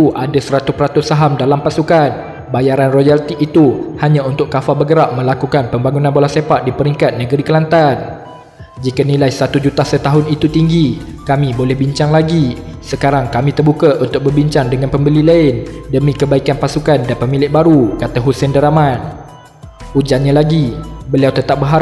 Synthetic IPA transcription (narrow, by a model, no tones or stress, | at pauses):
uʔadasəɾat̪ʊpəɾat̪ʊssaɦamdalampasukan | bajaɾanrojalt̪iʔːt̪uhaɲãunt̪ʊkkːafabəɡəɾaʔ̚mə̃lakukanpəmbaŋunãnbolasepaʔ̪̚dipəɾiŋkat̪̚nə̃ɡəɾikəlant̪an | d͡ʒikanilajsat̪ud͡ʒut̪asət̪aɦʊnit̪ut̪iŋɡi | kamĩbolɛhbiɲt͡ʃaŋlaɡisəkaɾaŋkamĩt̪ərbukaʔunt̪ʊk̚bərbiɲt͡ʃaŋdəŋanpəmbəlilaɪndəmĩkəbaikanpasukandanpəmilɪʔ̚baɾukat̪aɦusɛndəɾamãn | ud͡ʒanɲalaɡibəliawt̪ət̪ap̚bəɦaɾa